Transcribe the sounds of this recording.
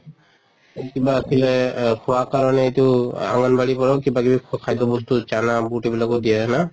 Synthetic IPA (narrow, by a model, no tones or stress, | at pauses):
kibasʰilɛkʰɔwakaɹɔnɛetʊa̰ŋɔnbaɹipɔɹɔkibakibikʰajtɔbɔstut͡ʃanabuʈibilakɔdijɛna